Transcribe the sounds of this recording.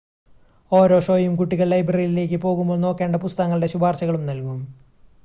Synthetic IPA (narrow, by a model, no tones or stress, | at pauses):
o̞ːɾo̞ːʂo̞ːjumkuʈːiɣɐɭːɐjbrɐijile̞ːk̬ʲːɨpo̞ːɣumboːɭno̞ːkːeːɳɖɐpust̪ɐŋːɐɭɽe̞ɕubʱaːrt͡ɕɐɣɐɭumnɐlkum